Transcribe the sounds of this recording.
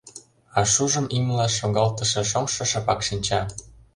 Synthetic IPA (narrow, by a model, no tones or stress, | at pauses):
ɑʃuʒə̆mimlɑʃoɣɑlt̪əʃĕʃomʃɤ̆ʃɑpɑkʃinʲt͡ɕɑ